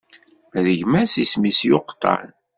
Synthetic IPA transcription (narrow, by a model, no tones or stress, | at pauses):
mðəʝmæsismisjoqt̪ˤːɑ̰n